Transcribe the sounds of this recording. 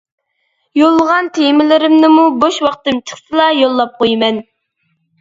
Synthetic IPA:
jolˠːəʁɑnt̪ʰemɪlɪɾɪmnɪmuboʃwɑqt̪ɨmt͡ʃʰə̥χsɨlˠɑjolˠːɑp̚qojmɛn

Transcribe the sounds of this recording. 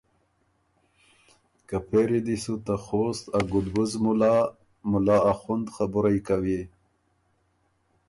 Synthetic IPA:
kapʰeɾid̪isut̪axost̪aɡud̪buzmula | mulaaxund̪xabuɾajkawi

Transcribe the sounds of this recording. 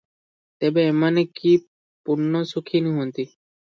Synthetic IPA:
t̪ebeemaneki | puɾnɔsukʰiniɦuont̪i

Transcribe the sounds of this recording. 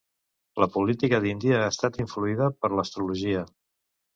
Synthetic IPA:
ləpulit̪ikəðind̪iəaːst̪at̪iɱfluiðəpəɾləst̪ɾuluʒiə

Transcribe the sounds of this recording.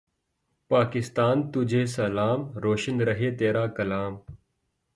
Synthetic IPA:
paːkɪst̪aːnt̪ud͡ʑʱeːsɐlaːmɾoːʃɪnɾɐɦet̪eːɾaːkɐlaːm

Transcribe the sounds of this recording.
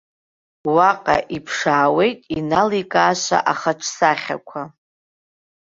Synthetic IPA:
waqʼa̰ʔipʰʂaːwe̞jtʼinalikʼaːʃʷa̰ʔaχaʈ͡ʂʰsaχʲa̰kʷʰa

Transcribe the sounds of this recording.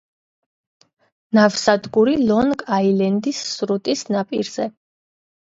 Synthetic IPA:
navsad̪ɡuɾilɔnɡailɛnd̪isːɾut̪ʼisnapʼiɾz̥ɛ

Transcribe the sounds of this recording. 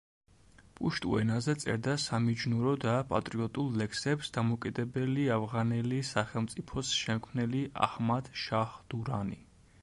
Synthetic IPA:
pʼuʃt̪ʼṵɛnazɛt̪sʼɛ̰ɾd̪asamid͡ʒnuɾɔd̪apʼa̰t̪ʼɾiɔt̪ʼulˠlɛksɛpsd̪amɔkʼid̪ɛbɛliavʁanɛlisaχɛlˠmt̪sʼipʰɔsʃɛmkʰmnɛliʔa̰hmad̪̥ʃaχd̪̥uɾani

